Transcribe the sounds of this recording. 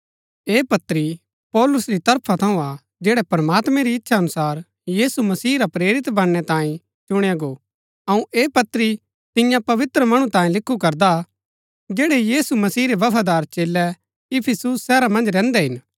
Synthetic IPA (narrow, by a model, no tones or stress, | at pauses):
eːpɐt̪ɾi | pɔːlʊsɾit̪ɐɾpʰat̪ʰɐ̃ũa | d͡ʒɛːɽɛpɾmaːt̪mɛ̃ɾiɪtːʃʰaɐnʊsaːɾ | jiːsumɐsiːɾapɾeːɾɪt̪bɐnːɛt̪ãːĩ | t͡ʃʊɽ̃eaɡoː | ɐũʔeːpɐt̪ɾi | t̪ɪjãpɐʋɪt̪ɾəmɐɽ̃ũt̪ãːĩlɪkʰːukɐɾd̪a | d͡ʒeːɽejiːsumɐsiːɾeʋɐpʰad̪aːɾt͡ʃeːlːɛ | ɪpʰɪsusːɛːɾamɐ̃nd͡ʒɾɛ̃ːnd̪ɛɦɪn